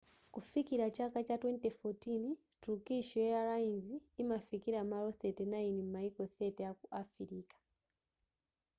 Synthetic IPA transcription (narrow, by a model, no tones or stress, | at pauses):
kufikiɾat͡ʃakat͡ʃatwɛntefotini | tukiʃɔjɛaɾainziːmafikiɾamaɾoθetenainim̩maikoθɛtejakuʔafiɾikḁ